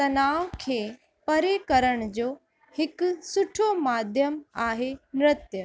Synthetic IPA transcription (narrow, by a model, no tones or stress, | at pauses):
t̪ɐnaːʋkʰeː | pɐɾekɐɾəɽ̃d͡ʑoː | hɪkʊsʊʈʰomaːd̪ʱjəmaːɦenɾɪt̪jə